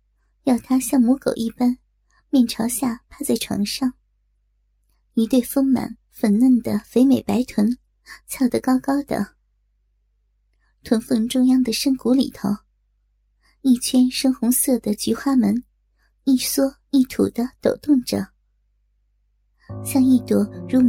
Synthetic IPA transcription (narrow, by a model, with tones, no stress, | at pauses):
jɑ˥˩ʊt̪ʰa˥ɕjɑ˥˩ŋmu˧˥ko̰˨˩ʊʔi˥˩pa˥n | mjɛ˥˩nʈ͡ʂʰɑ˧˥ʊɕja˥˩pʰa˥˧t͡sa˥˩ɪʈ͡ʂʰwɑ̰˧˥ŋʂɑ˥˩ŋ | y˧˥t̪we˥˧ɪfɤ˥ŋma̰˨˩˦n | fə˧˩nnə˥˩nd̪ə˩fe˧˥ɪme˨˩ɪpa˧˥ɪt̪ʰwə˧˥n | t͡sʰjɑ˥˩ʊd̪ə˨kɑ˥ʊkɑ˥ʊd̪ə̰˩ | t̪ʰwə˧˥nfə˥˧nʈ͡ʂʊ˥˧ŋjɑ˥ŋd̪ə˨ʂə˥ŋku˧˥lḭ˨˩t̪ʰo˧˥ʊ | i˥˩t͡ɕʰɥɛ˥nʂɤ˥ŋxʊ˧˥ŋsɤ˥˩d̪ə˩t͡ɕy˧˥xwa˥mə˧˥n | i˥˩swɔ˥ | i˥˩t̪ʰṵ˨˩d̪ə˦t̪o˨˩ʊt̪ʊ˥˩ŋʈ͡ʂɤə̰˨˩˦ | ɕjɑ˥˧ŋi˥˧t̪wɔ˧˥ɻu˧˥